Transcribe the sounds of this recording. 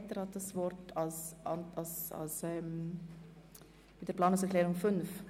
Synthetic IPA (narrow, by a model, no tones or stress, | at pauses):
təɾhɑt̚d̥ɑsvɔɾtɑlsʔɑnɑlsa̰lsɛm | mɪt̚d̥əɾplɑːnʊŋs̬ɛɐʁklɛːɾʊŋfʏnf